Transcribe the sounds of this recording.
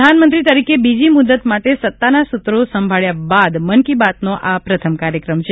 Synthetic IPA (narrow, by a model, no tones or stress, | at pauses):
anmənt̪ɾit̪əɾikebid͡ʒimud̪ət̪maʈesət̪ːanasut̪ɾosəmbʱaɭjabad̪mənkibat̪̚noʔapɾət̪ʰəmkaɾjəkɾəmt͡ʃʰe